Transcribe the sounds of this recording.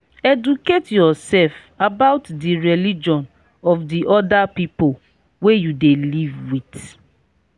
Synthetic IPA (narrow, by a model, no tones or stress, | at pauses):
ɛduketjɔsɛlf | abaʊtdiɹɛlid͡ʒɔ̃n | ɔfdiʔɔdapipol | wejudelivwit